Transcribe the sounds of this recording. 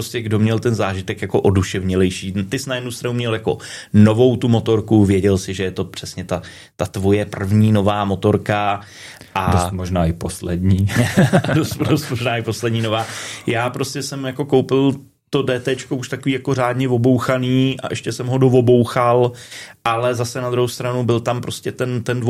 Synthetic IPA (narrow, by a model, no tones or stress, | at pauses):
pɾoscɛɡdo̞mɲɛlt̪ɛnzaːʒɪt̪ɛkjako̞ʔo̞duʃɛvɲɪlɛjʃiːt̪ɪsnajɛdnust̪ɾanumɲɛljako̞no̞vo̞wt̪umo̞t̪o̞ɾkuvjɛɟɛlsɪʒɛjɛt̪o̞pr̥ɛsɲɛt̪a | t̪at̪vo̞jɛpr̩vɲiːno̞vaːmo̞t̪o̞ɾka | ʔadosmoʒnaːɪposlɛdɲiːdost̪dost̪moʒnaːɪpo̞slɛdɲiːno̞vaːjaːpɾo̞scɛsɛmjako̞ko̞wpɪl | t̪odɛːt̪ɛt͡ʃkouʃt̪akoviːjako̞raːdɲɛvo̞bo̞wxaniːʔa̰ʔɛʃcɛsɛmɦo̞dovo̞bowxalʔalɛzasɛnad̪ɾuɦowst̪ɾanubɪlt̪ampɾo̞scɛt̪ɛnt̪ɛndvo